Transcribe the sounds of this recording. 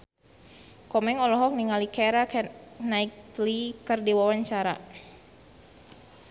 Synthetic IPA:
kɔmɛŋɔlɔɦɔk̚niŋalikɛɾaknaiklikərdiwawaɲt͡ʃaɾa̰

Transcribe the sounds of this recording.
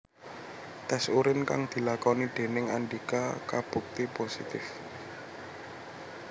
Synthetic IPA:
t̪ɛsuɾɪnka̰ŋd̪̥i̤lakɔnid̪̥e̤nɪŋanɖikakab̥ṳk̚t̪iposḭt̪ɪf

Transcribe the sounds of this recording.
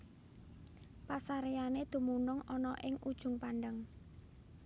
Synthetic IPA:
pasaɾejaned̪̥ṳmunʊŋɔnɔʔɪŋʔud̥ʒ̥ʊ̤ŋpanɖəŋ

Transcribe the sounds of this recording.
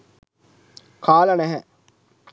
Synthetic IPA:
kʰaːlɐnæɦɛ

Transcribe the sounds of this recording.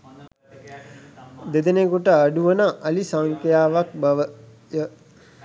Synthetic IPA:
d̪ed̪enekuʈəaɖuʋənəʔɐlisaŋkjaːʋak̚bɐʋə | jə

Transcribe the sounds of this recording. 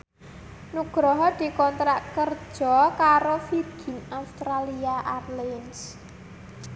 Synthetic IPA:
nuɡ̥ɾɔɦɔd̪̥i̤kɔnt̪ɾaʔkər̥ʒ̥ɔkaɾofirɡ̥i̤naust̪ɾaliaʔarlins

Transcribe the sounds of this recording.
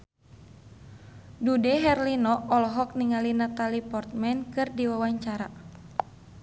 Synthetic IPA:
dudɛɦɛrlinɔɔlɦɔk̚niŋalinat̪alipɔrt̪̚mɛnkɨrdiwawaɲt͡ʃaɾa

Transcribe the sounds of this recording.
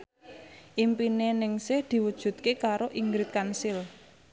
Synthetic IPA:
ʔimpinenɪŋsɪhd̪̥i̤wud̥ʒ̥ṳt̪̚kekaɾoʔiŋɡɾɪt̪̚kansɪl

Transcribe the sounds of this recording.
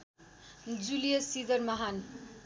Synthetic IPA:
d͡zulijʌsid̪ʌrmʌɦan

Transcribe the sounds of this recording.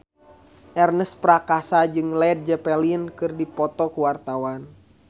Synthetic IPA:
ʔɛrnəspɾakasad͡ʒɨŋlɛd̪̚d͡ʒɛpɛliənkɨrdipɔt̪ɔkuwart̪awan

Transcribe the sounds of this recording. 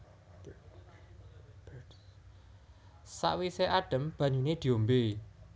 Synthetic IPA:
sa̰ʔwiseʔaɖ̥ə̤mb̥ä̤ɲuned̪̥i̤ombe

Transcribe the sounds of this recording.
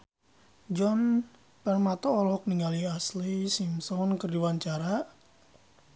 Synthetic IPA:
d͡ʒɔn | pərmat̪ɔːlɔk̚niŋaliaslisimsɔnkərdiwaɲt͡ʃaɾa

